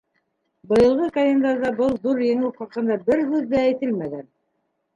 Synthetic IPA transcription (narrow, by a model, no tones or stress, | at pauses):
bɤ̆jɤ̆lˠʁɤkɐlʲend̪ɑɾðɑbɤlˠðuɾjɘ̆ŋɘwχɑqɤ̆nd̪ɑbɘɾɦʉðːæːjt̪ɘlmæɡæn